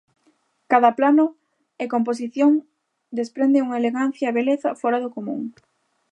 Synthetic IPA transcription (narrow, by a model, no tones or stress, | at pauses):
kaðɐplanʊ | ekomp̬os̬iθjoŋ | d̪espɾend̪ɪuŋaeleɣan̟θjaːβeleθɐfoɾaðʊkomṵ̃ŋ